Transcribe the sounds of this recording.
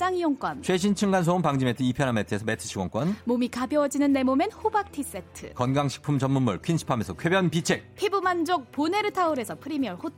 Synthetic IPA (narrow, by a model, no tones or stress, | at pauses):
t͡ɕ͈aŋijoŋk͈wʌnt͡ɕʰe̞ɕʰint͡ɕʰɯŋɡans̬ʰoompaŋd͡ʑime̞tʰɯipʰjʌnametʰɯe̞sʰʌmetʰɯ̥ɕʰiɡwʌŋk͈wʌnmomikabjʌʌd͡ʑinɯnːe̞mome̞nhubak̚tʰis͈e̞tʰɯ̰kʌnɡaŋɕʰi̥k̚pʰumt͡ɕʌnmunmuɭkʰinɕʰi̥pʰamesʰʌkʰe̞bjʌnpit͡ɕʰek̚pʰebɯmand͡ʑok̚pone̞ɾɯtʰauɾe̞sʰʌpʰɯɾimiʌɭhot